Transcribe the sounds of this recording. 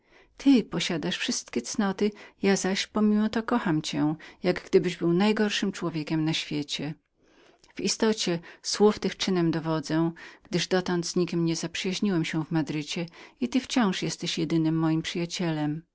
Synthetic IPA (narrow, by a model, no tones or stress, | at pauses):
t̪ʰɘpɔɕad̪aʂfʂɘst̪kʲɛt̪snɔt̪ɘjazaɕpɔmʲimɔt̪ɔkɔxamt͡ɕɛjaɡɡd̪ɘbɘʑbɘwnajɡɔɾʂɘmt͡ʂwɔvʲjekʲɛmnaɕfʲjet͡ɕɛ | v̥ist̪ɔt͡ɕɛswuft̪ɘxt͡ʂɘnɛmd̪ɔvɔd̪zɛ̃ɡ̥d̪ɘʐd̪ɔt̪ɔnd̪z̥ɲikʲimɲɛzapʂɨjaʑɲiwɛmɕɛvmad̪ɾɘt͡ɕɛit̪ɘft͡ɕɔ̃w̃ʂjɛst̪ɛɕjɛd̪ɘnɘmːɔjimpʂɘjat͡ɕɛlɛm